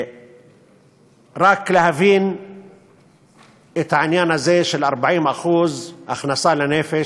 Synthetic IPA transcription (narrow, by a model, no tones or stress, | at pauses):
ɾˤɑːklahaviːn | ʔɪt̪ʕanjaːnazeːʃɪlʔɑɾˤbaʕiːmʔaxuːzʔaxnɑsˤɑːlaneːfɪ